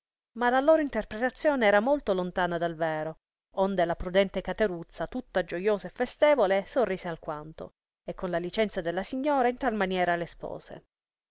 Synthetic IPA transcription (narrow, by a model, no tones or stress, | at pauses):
malaloːɾoint̪erpɾet̪at̪sːjoːneɛːɾamolt̪olont̪aːnad̪alvɛːɾo | ond̪elapɾud̪ɛnt̪ekat̪eɾut̪sːat̪ut̪ːad͡ʒojoːzaefːest̪eːvolesorːiːzealkwant̪o̰ | ekːonlalit͡ʃɛnt̪sad̪elːasiɲːoːɾaint̪almanjɛːɾalespo̰ːzḛ